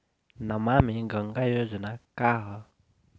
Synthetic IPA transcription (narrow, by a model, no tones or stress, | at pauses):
namamiɡəŋɡajozənakaɦə